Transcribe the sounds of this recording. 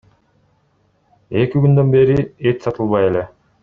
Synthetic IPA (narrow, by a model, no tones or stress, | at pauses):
e̞kiɡynd̪ø̞nbe̞ɾiet̪sɑt̪ɯlˠβɑje̞le̞